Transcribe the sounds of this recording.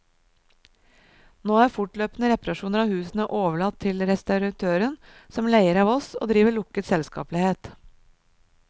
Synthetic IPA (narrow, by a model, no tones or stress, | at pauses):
noːæːɾfʊʈløːpnəɾɛpɑɾɑʃuːnəɾɑːʋhʉːsnəʔoːʋəɭɑt̪ʰːɪlɾɛst̪ɑʉɾɑt̪ʰøːɾənsɔmlæɪəɾɑːʋɔso̰ːd̪ɾiːʋəɭʊkət̪sɛlskɑ̰ːplɪheːt̪